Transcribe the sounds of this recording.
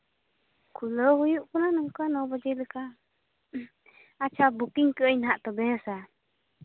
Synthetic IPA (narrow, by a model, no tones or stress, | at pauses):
kʰuləhujuʔkɔnanɔŋkanɔbəd͡ʒələka | at͡ʃʰabukiɲkəʔəjnhaʔt̪ɔbɛɦəsa